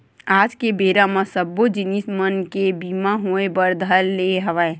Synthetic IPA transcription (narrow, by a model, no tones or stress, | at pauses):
aːd͡ʒkebeːɾamãsəbːod͡ʒɪnismənkebiːmaɦoebəɾd̪ʱəlːeɦɐʋae